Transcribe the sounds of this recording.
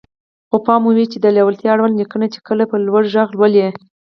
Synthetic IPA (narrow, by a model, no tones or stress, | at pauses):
xopɑmuwit͡ʃed̪əlawalt̪jɑaɽwalnikənat͡ʃe̥kəlapəlwaɽʒaɣlwəlje